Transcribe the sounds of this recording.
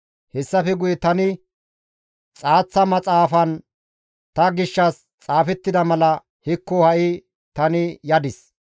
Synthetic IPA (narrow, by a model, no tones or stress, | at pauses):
hɛsːɐfɛɡʊjɛt̪ɐnɪ | t͡sʼaːt͡sːɐmɐt͡sʼaːfɐn | t̪ɐɡɪʃːɐs | t͡sʼaːfɛt̪ːɪd̪ɐmɐlɐ | hɪkːɔhɐʔɪ | t̪ɐnɪjɐd̪ɪs